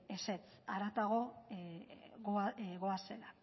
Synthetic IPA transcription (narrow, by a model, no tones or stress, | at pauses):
eset͡sa̰ɾat̪aɣo̞ | ɣɣoase̞la